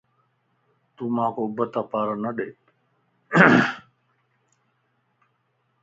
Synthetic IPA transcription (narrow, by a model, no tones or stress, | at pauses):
t̪uːmaːkoːbət̪aːpaːɾənəɗeː